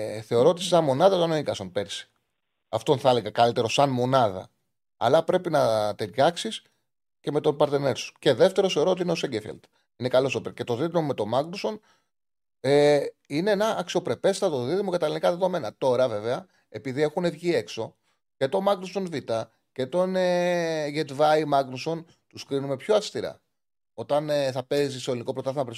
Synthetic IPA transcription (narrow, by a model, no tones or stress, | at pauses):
θe̞oɾoot̪issɐnmo̞nɐðɐt̪oneikɐsonpe̞ɾsi̥ | ɐft̪o̞nθɐleɣɐkɐlit̪e̞ɾo̞sɐnmo̞nɐðɐ̰ | ɐ̰lɐpɾe̞pinɐt̪eɾʝɐksis | ce̞me̞t̪o̞npɐɾt̪ene̞ɾsu̥ce̞ðe̞ft̪e̞ɾoθe̞o̞ɾoot̪iineo̞seɲɟefḛld̪̥ | inekɐlo̞sopece̞t̪o̞ðit̪ɾome̞t̪o̞mɐɡluso̞n | eine̞enɐʔːksio̞pɾe̞pe̞st̪ɐðo̞ðiðimokɐt̪ɐlinikɐðe̞ðo̞me̞nɐt̪o̞ɾɐve̞ve̞ɐ | epiðie̞xune̞vʝie̞kso̞ | ce̞t̪o̞mɐɡnuso̞nvit̪ɐ | ce̞t̪o̞neʝet̪vɐjmɐɡnuso̞n | t̪uskɾinume̞pçoɐfst̪iɾɐ̰ | o̞t̪ɐneθɐpe̞zist̪oliniko̞pɾot̪ɐθimɐpɾes